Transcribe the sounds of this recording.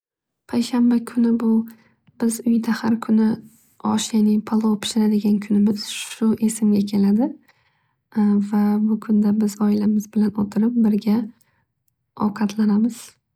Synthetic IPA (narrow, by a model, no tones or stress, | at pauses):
pʰajʃambakʰʊnɪbʊ | b̥ɪzʊjd̪ahaɾkʰʊnɪ | ɒ̰ʃjanɪpʰolˠopʰɪ̥ʃɪɾad̪ɪɡʲankʰʊnɪmɪz̥ʃʃʊʔe̞sɪmɡʲakʲʰe̞lad̪ɪ | vabʊkʰʊnd̪abɪzɒɪlamɪzbɪlanʊt̪ʰɪɾɪp̚bɪɾɡʲa | ɒ̰wqʰɑt̪ʰlanamɪz̥